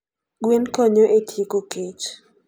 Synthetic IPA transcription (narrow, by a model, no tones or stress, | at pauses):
ɡwenkoɲoʔetʰjekoket͡ʃ